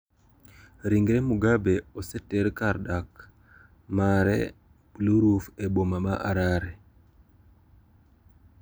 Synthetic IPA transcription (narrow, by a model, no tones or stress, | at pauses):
ɾiŋɡɾemuɡabeɔsɛteɾkaɾdak | maɾɛ̰ | pluɾufebomamaʔaɾaɾɛ